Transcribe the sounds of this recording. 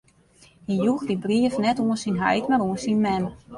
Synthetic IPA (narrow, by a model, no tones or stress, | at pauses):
hijuxdibriəfnɛtuənsinɦɛ̰jtmaɾuənsinmɛm